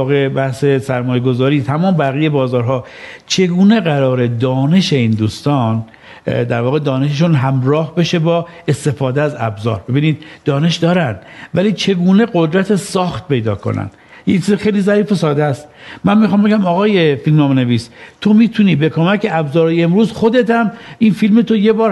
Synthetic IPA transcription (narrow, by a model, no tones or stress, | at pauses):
ɣe̞bæhse̞sæɾmɒːjeɡo̞zɒːɾiːt̪ʰæmɒːmbæɣijebɒːzɒːɾɦɒː | t͡ʃʰe̞ɡuːne̞ɣæɾɒːɾe̞d̪ɒːne̞ʃe̞ind̪uːst̪ɒːn | d̪æɾvɒːɣe̞d̪ɒːne̞ʃeʃ̬unɦæmɾɒːhbeʃe̞bɒː | e̞st̪e̞fɒːd̪eæzæbzɒ̰ːɾbe̞biːniːd̪̥̚d̪ɒːne̞ʃd̪ɒːɾænd̪væliːt͡ʃʰe̞ɡuːne̞ɣod̪ɾæt̪ʰesɒːxt̪̚pʰe̞jd̪ɒ̰ːkʰo̰næ̰nd̪ | ject͡ʃʰizexejliːzæɾiːfe̞sɒːd̪est̪mænmixɑːmbe̞ɟʲæmɒːɣɒːje̞filmnɒːmeneviːst̪ʰo̞miːt̪ʰuniːbekʰo̞mæcʰe̞æbzɒːɾɒjeemɾuːzxo̞d̪e̞t̪ʰæminfilmet̪ʰoje̞bɒːɾ